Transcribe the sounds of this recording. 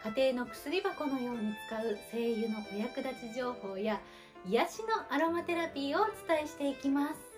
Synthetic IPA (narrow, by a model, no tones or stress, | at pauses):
kat̪e̞ːno̞kɯ̟̥sɨɾʲibako̞mɯoɲit͡sɨ̥kaɯ̟se̞ːjɯ̟no̞ʔojakɯ̟d̪at͡ɕiʑo̞ːho̞ːja | ijaɕino̞ʔaɾo̞mat̪e̞ɾapʲiːo̞ːt͡sɨ̥t̪aeɕi̥t̪e̞ikʲimasɨ̥